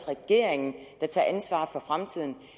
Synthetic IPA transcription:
sʁɛɡ̥e̝ɐ̰eŋn̩d̥ɑ̈t͡sʰɑ̰̈ːʔænsʋɑ̰̈ːfɒ̽fʁamt͡sʰið̞̰ˠn̩

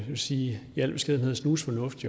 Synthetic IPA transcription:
eʋesiːjæl̰b̥e̝sɡ̥eðˠn̩heðˠsnuːsfɒ̽nɔ̽fd̥i

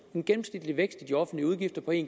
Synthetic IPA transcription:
e̝nɡ̥enm̩snid̥liʋeɡ̥sd̥id̥iɒ̽fn̩d̥liəuð̞ˠɡ̥ifd̥ɐpʰɒ̽e̝̰ːn

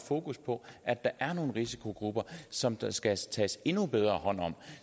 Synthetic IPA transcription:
fo̝ːkʰuspʰɒ̽ʔæd̥ɑ̈ʔæɐno̝ːn̩ʁisi̥kʰo̝ɡ̥ʁub̥ɐsɒ̽msɡ̥æt͡sʰɛ̰ːse̝nub̥eð̞ˠʁɐːhɒ̽n̰ɒ̽m̰

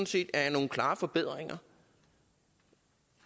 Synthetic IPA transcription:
nse̝̰ːd̥æɐjɑno̝ːŋ̩kʰlɑ̈ːfɒ̽b̥e̝ð̞̰ˠʁeŋɐ

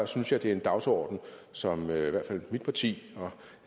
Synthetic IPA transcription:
synsjɑ̈ɪd̥e̝æɐe̝nd̥ɑ̈ʊsɒ̰ːd̥n̩sɒ̽møiʋæɐ̰d̥fæl̰mid̥̚pʰɑ̈t͡sʰḭːɒ̽

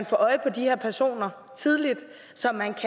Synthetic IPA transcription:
nfɒ̰ːʔɒ̽ɪəpʰɒ̽d̥iheɐ̰pʰæɐso̝̰ːnɐ | t͡sʰið̞ˠlid̥ | sɒ̽mːænkʰ

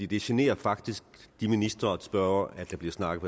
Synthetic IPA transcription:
ḭd̥e̝ɕene̝̰ːɐfɑ̈ɡ̥d̥isɡ̥d̥iminisd̥ʁɐɒsb̥ɶæd̥ɑ̈b̥liɐsnɑ̈ɡ̥ð̩ˠpʰ

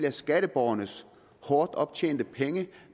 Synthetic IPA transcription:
lɐsɡ̥æɾ̥əb̥ɒʊɐnəs | hɒːd̥ɒ̽b̥̚t͡ɕʰḛːnd̥əpʰeŋə

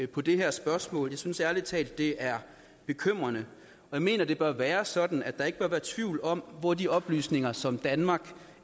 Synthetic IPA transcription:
pʰɒ̽d̥e̝ɦæɐsb̥ɶɐsmɔ̰ːljɑɪsynsæɐlit͡sʰɛ̰ːld̥ːe̝ʔæɐ | b̥e̝kʰøm̰ʁɐnə | ɒ̽jɑ̈ɪme̝̰ːnɐd̥e̝b̥ɶɐʋæːɐsɒ̽d̥n̩æd̥d̥ɑ̈e̝ɡ̥əb̥ɶɐʋæːɐt͡sʰʋiʊlɒ̽m̰ʋɒd̥iɒ̽b̥ly̰ːsne̝ŋɐsɒ̽md̥ænmɑ̈ɡ̥

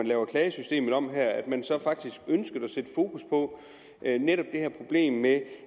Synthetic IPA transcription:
ænlɛːʊɐkʰlɛːɪəsysd̥e̝̰ːmð̩ˠɒ̽m̰ɦæɐ̰æd̥mænsɒ̽fɑ̈ɡ̥d̥isɡ̥ønsɡ̥ð̩ˠæsed̥əfo̝ːkʰuspʰɒ̽ | ʔneɾ̥ɒ̽b̥̚d̥e̝hæɐ̰pʰʁo̝b̥le̝̰ːmːe

